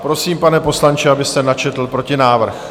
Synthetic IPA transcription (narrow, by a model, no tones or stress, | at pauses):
pɾo̞siːmpanɛpo̞slant͡ʃɪabɪst̪ɛnat͡ʃɛt̪l̩pɾo̞cɪnaːvr̩x